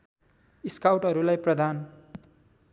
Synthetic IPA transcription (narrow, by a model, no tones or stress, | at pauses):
iskawʈɦʌɾulajprʌd̪ʱan